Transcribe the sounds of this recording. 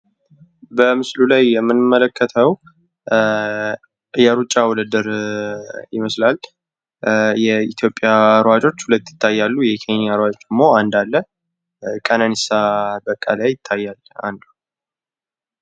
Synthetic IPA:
bəmɨslulajːɛmːɨnmːələkʰːət̪ʰəw | jɛɾut͡ʃʼːawɔləd̪əɾ | jɪməslal | jɛit̪ʰjo̞pʼːjaɾwad͡ʒo̞t͡ʃːhulət̪ːjɪ̥t̪ʰːajːalːujɛkʰenijaɾwad͡ʒot͡ʃːd̪əmːo̞and̪alːə | kʼənanisabəkʼːalajɪt̪ʰːajːala̰nd̪u

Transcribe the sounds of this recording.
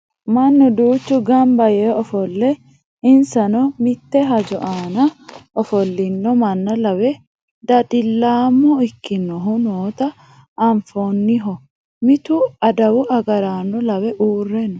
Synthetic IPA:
mɐnːɔd̪uːt͡ʃːʊɡɐmbɐjɛɔfɔlːɛ | ɪnsɐnɔmɪt̪ːɛɦɐd͡ʒɔʔaːnɐɔfɔlːɪnːɔmɐnːɐlɐwɛ | d̪ɐᶑʼɪlːaːmːɔɪkːɪnːɔɦʊnoːt̪ɐː | ɱfonːɪɦɔ | mɪt̪ʊɐd̪ɐwʊɐɡɐɾaːnːɔlɐwɛʔuːrːɛnɔ

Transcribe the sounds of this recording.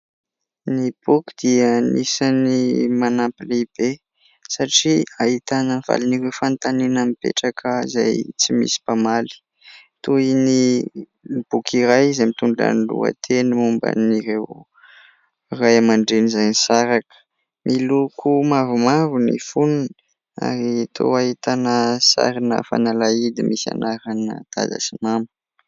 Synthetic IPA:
nib̥ukid̪̥iənisanimanapiliib̥e | saʈ͡ʂiaɦit̪anənv̥a̰liniɾewfant̪anenamipḛʈ͡ʂakʰəza̰jt͡simḭsi̥pamali̥ | t̪uini | b̥ukʰiɾajzamit̪uɳɖ͡ʐa̰nlṵa̰t̪ʰenimumbə̰niɾew | rajamaɳɖ͡ʐenizajnisaɾakə̥ | mʔilukʰumavumavunḭfunun | a̰ɾit̪ʰo̰ahit̪anəsa̰ɾinə̰fa̰nalaid̪imʔisa̰naɾanə̰d̪̥a̰za̰simamu̥

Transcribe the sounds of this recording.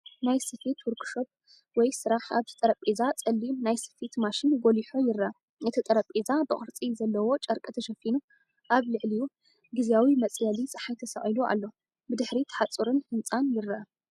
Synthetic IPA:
najsɨfit̪wɔɾkʰʼʃop̚ | wɔjsɨɾaħa̰βt̪ʰɨt̪ʼɐɾɐpʼizat͡sʼɐlːinajsɨ̥fit̪maʃinɡoliħojɪrːɐʔɐ | ʔɨt̪ʰit̪ʼɐɾɐpʼizabɨχʼɨɾt͡sʼizɐlːɐwo̞t͡ʃʼɐɾkʼɨt̪ʰɐʃɐfinu | ʔaβlɨʕliju | ɡɨzijawimɐt͡sʼjalisʼɨħajt̪ʰɐsɐχʼiluʔa̰lːo̞ | bɨd̪ɨħɾit̪ʰħat͡sʼuɾɨnhɨnt͡sʼanjɪrɐʔa

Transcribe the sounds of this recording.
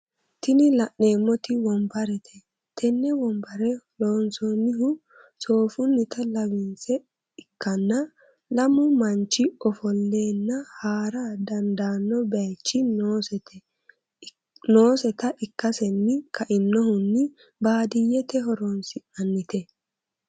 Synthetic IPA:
t̪ɪnɪlɐʔne̞ːmːɔt̪ɪwɔmbɐɾɛt̪ʰɛ | t̪ʰɛnːɛwɔmbɐɾɛloːnsɔnːɪɦʊ | so̞ːfʊnːɪt̪ɐlɐwɪnsɛ | ɪkːɐnːɐ | lɐmʊmɐnt͡ʃːɪɔfɔlːe̞ːnːɐhaːɾad̪ɐnd̪aːnːɔbɛɐjt͡ʃːɪnoːsɛt̪ɛ | no̞ːsɛt̪ɐʔɪkːɐsɛnːɪkʰɐʔɪnːɔhʊnːɪ | baːd̪ɪjːɛt̪ɛɦɔɾonsɪʔɐnːɪt̪ɛ

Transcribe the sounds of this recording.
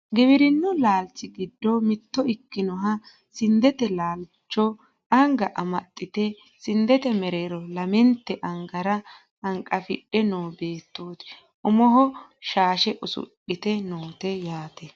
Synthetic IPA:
ɡɪbɪɾɪnːɔlaːlt͡sːɪɡɪd̪ːɔmɪt̪ːɔɪtːɪnɔɦɐ | sɪnd̪ɛt̪ɛlaːlt͡ʃːɔ | ɐŋɡɐʔɐmɐt̪ʼːɪt̪ɛ | sɪnd̪ɛt̪ɛmɛɾeːɾɔlɐmɛnt̪ːɛʔɐŋɡɐɾɐ | ɐŋkʼɐfɪ̰ɗːɛnoːbe̞ːt̪ːoːt̪ | ʔʊmɔɦɔʃaːʃɛʔʊsʊ̰ɗɪt̪ɛnoːt̪ɛjaːt̪ɛ

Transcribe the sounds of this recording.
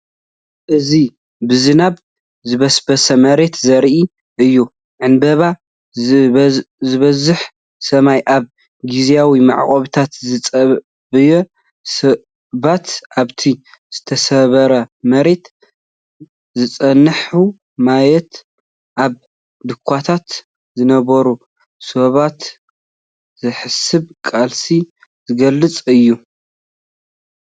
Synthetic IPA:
ʔɨzi | bɨzɨnaβ | zɨβɐsbɐsɐmɐɾe̞t̪zɐɾʔi | ʔɨjːu | ʕɨnbɐβa | zɨβɐzɨħ | sɐmajʔaβ | ɡizjawima̰ʕχʼɐβt̪ʰat̪zɨt͡sʼɐ | bɨjɛ | sɐ | βat̪aβt̪ʰi | z̥ɨt̪ʰɐsɐβɐɾɐmɐɾe̞t̪ | zɨt͡sʼɐnːɨħu | majɛt̪ | ʔaβ | d̪ɨkʷʰːat̪ʰat̪ | zɨnɐβɐɾu | soβat̪ | zɨħɨsɨβkʼalsi | zɨɡɐlːɨt͡sʼɨjːu

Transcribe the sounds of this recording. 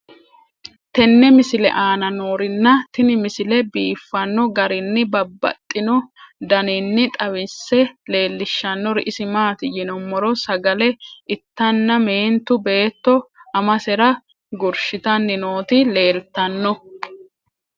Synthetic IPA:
t̪ɛnːɛmɪsɪlɛ̰ʔaːnɐno̞ːɾɪnːɐt̪ɪnɪmɪsɪlɛbiːfːɐnːɔɡɐɾɪnːɪbɐbːɐ̰t̪ʼːɪnɔd̪ɐnɪnːɪt̪ʼɐwɪsɛle̞ːlːɪʃːɐnːɔɾɪʔɪsɪmaːt̪ɪjɪnɔmːɔɾɔsɐɡɐlɛʔɪt̪ːɐnːɐme̞ːnt̪ʊbe̞ːt̪ːɔɐmɐsɛɾɐ | ɡʊɾʃɪt̪ɐnːɪno̞ːt̪ɪle̞ːlt̪ːɐnːɔ

